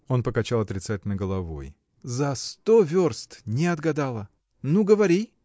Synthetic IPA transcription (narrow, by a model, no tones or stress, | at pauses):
o̞npəkɐt͡ɕalˠɐt̪ɾʲɪt̪satʲɪlʲnəɡəlˠɐvo̞̰j | zɐst̪ovʲorst̪nʲɪɐd̪ɡɐd̪alˠə | nuɡəvɐɾʲi